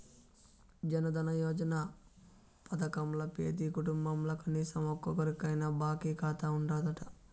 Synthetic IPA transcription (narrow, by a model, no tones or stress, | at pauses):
d͡ʒɐnɐd̪ɐnɐjɔːd͡ʒɐnaː | pɐt̪ɐkɐmlɐpeːt̪iːkuʈumbɐmlɐkʰɐniːsɐmɔkːɔkɐɾikɐjnɐbaːkiːkaːt̪aːuɳɖaːd̪ɐʈɐ̥